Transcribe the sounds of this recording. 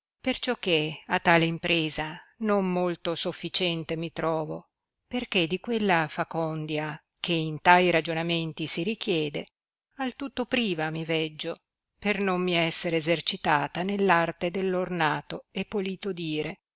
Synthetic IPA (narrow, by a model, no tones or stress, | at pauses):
pert͡ʃɔkːeat̪ːaːleimpɾeːzanomːolt̪osofːit͡ʃɛnt̪emit̪ɾɔːvo | perked̪ikwelːafakɔnd̪ja | kʰeint̪ajɾad͡ʒonament̪isiɾik̟jɛːd̪e | alt̪ut̪ːopɾiːvamivɛd͡ʒːo | pernomːiɛsːeɾeːzert͡ʃit̪aːt̪anelːart̪ed̪elːornaːt̪oepːoliːt̪od̪iːɾe